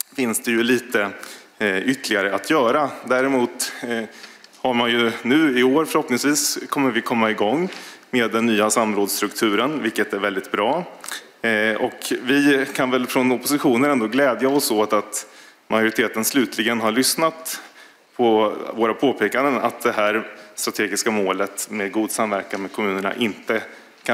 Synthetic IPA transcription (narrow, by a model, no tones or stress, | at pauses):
fɪnsd̪ɛjɵliːt̪ə | ʏt̪ːlɪɡaɾəat̪ʰjœːɾad̪æɾɛmuːt̪ | haɾmanjɵnʉ̟ːɪoːɾfœɾhɔpnɪŋsviːskʰɔmːəɾvɪkʰɔmːaɪɡɔŋːmeːd̪ːɛnːyːasamːɾoːd̪st̪ɾɵkt̪ʰʉ̟ːɾənvɪlkət̪æɾvɛld̪ɪt̪̚bɾɑː | ɔkvɪkʰanvɛlfɾɔnɔpʊsɪɧuːnəɾɛnd̪oːɡlɛːd̪jaɔsoːt̪at̪majʊɾɪt̪ʰeːt̪ənslʉ̟ːt̪ʰlɪɡənɦaɾɭʏsnat̪ | pʰɔvoːɾapʰoːpʰeːkand̪əna̰t̪̚d̪ɛɦæːɾst̪ɾat̪ʰeːɡɪskamoːlət̪meːd̪ɡuːd̪samvæɾkanmeːd̪̚kʰɔmʉ̟ːnəɳa̰ʔɪnt̪ə | kʰa